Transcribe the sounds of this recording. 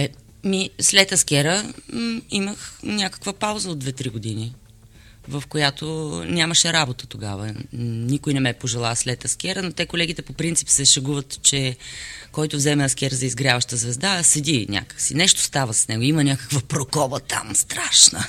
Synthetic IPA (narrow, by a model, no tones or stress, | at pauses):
ɛ | mislɛt̪ɐskʲɛɾə | iməxnʲakə̥kvəpawzəod̪̚vɛt̪ɾiɡod̪ini | vəfkojat̪onʲaməʃɛɾabot̪ə̥t̪oɡa̰və̰nikojnɛmɛpoʒɛlˠaslɛt̪ɐskʲɛɾənot̪ɛkolɛɡ̟it̪ɛpopɾint̪si̥psɛʃɐɡuvət̪t͡ʃɛkɔjt̪ʊvzɛmɛɐskʲɛɾzɐizɡɾʲjavəʃt̪əzvɛzd̪asɛd̪inʲʔa̰kə̥ksinɛʃt̪o̥st̪avəsəsnɛɡoimənʲjakə̥kvəpɾokɔbət̪ʰa̰mst̪ɾaʃnə̰